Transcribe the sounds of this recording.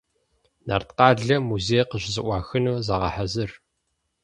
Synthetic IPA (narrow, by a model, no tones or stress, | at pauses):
na̰ːrtqɑːɮɐmuzejqəʑzɨʔʷɑːxɨnuːzaʁɐ̰ħazɨr